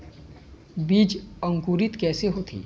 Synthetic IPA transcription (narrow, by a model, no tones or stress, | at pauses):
biːd͡ʒə̃ŋkuːɾɪt̪kɛːseɦoːt̪ʰḭː